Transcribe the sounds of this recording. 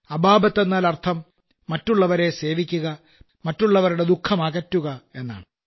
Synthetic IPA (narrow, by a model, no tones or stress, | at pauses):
ɐbʱaːbɐt̪ːe̞nːaːlɐrt̪ʰɐmː | ɐtːuɭːɐʋɐɾe̞se̞ːʋikʲːuɣɐ | mɐtːuɭːɐʋɐɾuɽe̞d̪ukʰːɐmaːɣɐtːuɣɐe̞nːa̰ːɳɨ